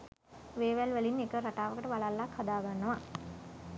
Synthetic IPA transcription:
ʋeːʋælʋælinːekəɾaʈaːʋəkəʈəʋalalːakhad̪aːɡanːəʋa

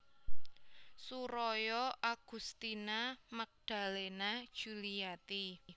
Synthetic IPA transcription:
suɾɔjɔʔaɡ̥ṳst̪inamak̚d̪̥a̤lenad̥ʒ̥uliat̪i

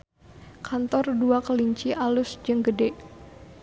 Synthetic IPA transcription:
kʰant̪ɔrduakəliɲt͡ʃiʔalʊsd͡ʒəŋɡədɛ

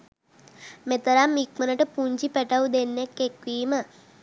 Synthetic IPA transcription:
met̪əɾamːikmənəʈəpuɲd͡ʒipɛʈaud̪enːjekːekʋiːmə

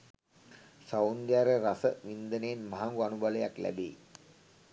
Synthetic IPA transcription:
sawnd̪jaɾəɾasəʋind̪əneːnməɦaŋɡuanubaləjaklæ̰bḛː

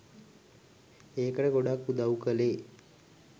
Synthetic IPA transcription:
eːkəʈəɡoɖakːud̪awkəleː

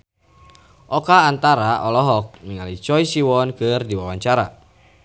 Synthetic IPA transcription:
ʔɔkaːnt̪aɾaʔɔlɔɦɔk̚miŋalit͡ʃɔjsiwɔnkɨrdiwawaɲt͡ʃaɾa̰

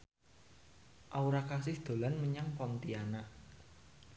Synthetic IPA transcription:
ʔauɾakasɪhd̪̥o̤lanməɲaŋpɔnt̪ianaʔ

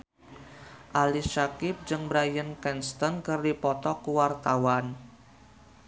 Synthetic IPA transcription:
ʔaliʃakɪp̚d͡ʒɨŋbɾajənkɛnst̪ənkɨrdipɔt̪ɔkuwart̪awan

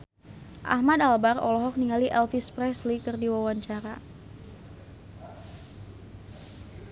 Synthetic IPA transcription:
ʔa̰hmadalbarɔ̰lɔɦɔk̚niŋaliʔɛlfispɾɛslikɨrdiwawaɲt͡ʃaɾa̰

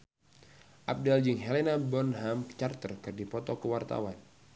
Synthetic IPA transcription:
ʔap̚dald͡ʒɨŋɦɛlenabɔnɦamt͡ʃart̪ərkɨrdipɔt̪ɔkəwart̪a̰wan

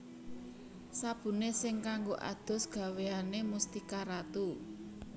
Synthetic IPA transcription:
sab̥ṳnesɪŋkaŋɡoʔa̰d̪̥ɔ̤sɡ̥ä̤weanemust̪ikaɾat̪u

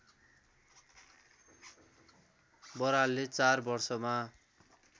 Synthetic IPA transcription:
bʌɾalːet͡sarbʌrsʌma

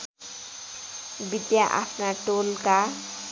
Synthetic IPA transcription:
bid̪jaʔa̰pʰnaʈolka

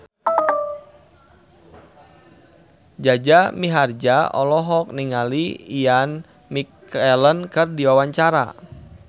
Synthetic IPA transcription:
d͡ʒad͡ʒamiɦard͡ʒaʔɔ̰lɔɦɔk̚niŋaliian | mik | ɛlənkɨrdiwawaɲt͡ʃaɾa̰

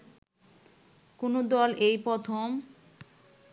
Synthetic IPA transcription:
konod̪ɔlʔejpɾɔt̪ʰom

